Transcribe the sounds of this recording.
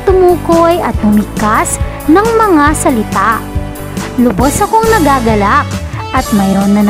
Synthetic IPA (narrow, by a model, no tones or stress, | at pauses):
t̪ʊmuːkojɐ̰t̪̚mʊmɪkːas | nɐŋmɐŋasɐlɪt̪aʔ | lʊbosɐkoŋnɐɡaːɡɐlak̚ʔɐt̪̚mɐjɾo̞nːɐn